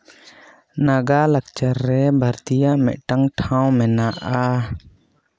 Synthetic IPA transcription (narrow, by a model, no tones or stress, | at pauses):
naɡalak̚t͡ʃaɾːɛbʱaɾt̪ijaʔmɛ̰ʔ̚ʈaŋʈʰãw̃mɛnaʔa